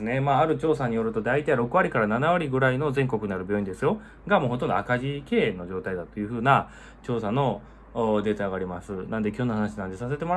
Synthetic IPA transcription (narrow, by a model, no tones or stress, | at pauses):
ne̞maːaɾɯ̟t͡ɕo̞ːsaɲ̟ijo̞ɾɯ̟t̪o̞d̪ait̪aiɾo̞kɯ̟βaɾʲikaɾananaβ̞aɾʲiɡɯ̟ɾaino̞zẽ̞ŋko̞kɯ̟naɾɯ̟bʲjo̞ːĩd̪e̞sɨjo̞ | ɡamo̞ːɦo̞t̪ond̪oakaʑike̞ːno̞ʑo̞ːt̪aid̪at̪ojɯ̟ɸɯ̟ːna | t͡ɕo̞ːsano̞ | d̪e̞ːt̪aːɡaːɾʲimasɨnand̪e̞kʲo̞ːnohanaɕinãnd̪e̞sase̞t̪e̞mo